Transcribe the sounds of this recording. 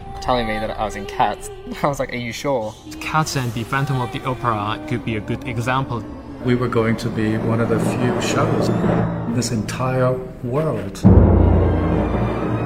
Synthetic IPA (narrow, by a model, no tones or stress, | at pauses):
tʰɛlˠɪ̃ŋmiðɨɾa̰ɪwʌzɨ̃nkʰæts | aɪwʌzlaɪkəjɨʃɔɹ | kʰætsɨ̃nðɨfæ̃ntə̃mʌvðiʔɔʊpə˞əkʰɨd̚biɨɡʊɾɨɡzæ̃mpl̩ˠ | wiwə˞ɡoʊɪ̃ŋtʰɨbiwʌ̃ñʌvðɨfjʉʃoʊz̃nðɪsɨ̃ntʰaɪə˞ | wɜ˞lˠd̥